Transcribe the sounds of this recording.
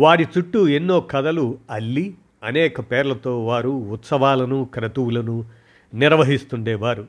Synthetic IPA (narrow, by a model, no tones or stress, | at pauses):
ʋaːɽit͡ʃuʈːuenːo̞ːkɐd̪ɐluɐlːi | ɐnɛːkɐpɛːɾlɐt̪o̞ːʋaːɾuːt̪sɐʋaːlɐnukɾɐt̪uwulɐnu | niɾʋɐɦist̪uɳɖɛːʋaːɾu